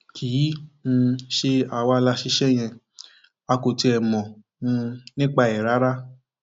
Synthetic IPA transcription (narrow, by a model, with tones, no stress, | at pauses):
kʰi˨˦nũ˧ʃe˧a˨wa˧la˧ʃi˧˦ʃɛ˦j̃ɛ̃˧ | a˧ko˨ti˧ɛ˨mɔ̃˨ | nũ˧nĩ˦k͡pa˧ɛ˨ɾa˨˦ɾa˦